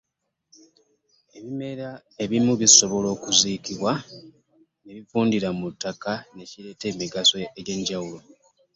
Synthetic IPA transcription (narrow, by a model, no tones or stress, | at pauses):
e̞βime̞ɾa | e̞βimuβiso̞βo̞lo̞ːkuziːkiβwa | ne̞βifuːndiɾamutːakane̞ciɾe̞ːte̞ːmiɡaso̞eɟe̞ɲɟawulo̞